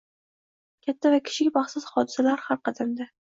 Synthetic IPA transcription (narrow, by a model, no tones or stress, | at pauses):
kʲʰat̪ʰːavakʲʰɪ̥ʃɪkʲmɑχsʊz̥hɒd̪ɪsalaɾhaɾqɑd̪amd̪a